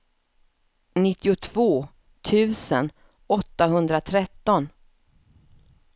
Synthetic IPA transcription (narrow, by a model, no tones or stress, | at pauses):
nɪt̪ːɪʊt̪ʰv̥oː | t̪ʰʉ̟ːsən | ɔt̪ːaɦɵnd̪ɾat̪ʰɾɛt̪ːɔn